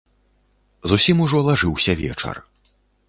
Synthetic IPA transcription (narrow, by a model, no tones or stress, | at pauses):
zusʲimuʐɔlˠaʐɨwsʲɐvʲɛ̰t͡ʂɐ̰r